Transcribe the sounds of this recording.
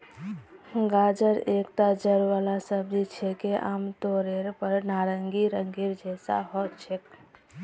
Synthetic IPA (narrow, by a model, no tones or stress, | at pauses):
ɡad͡ʒəɾekt̪ad͡ʒəɾʋalasəbd͡ʒit͡ʃʰɛkeʔa̰mt̪oɾeɾpəɾnaɾəŋɡiɾəŋɡiɾd͡ʒɛsa̰ɦɔt͡ʃʰek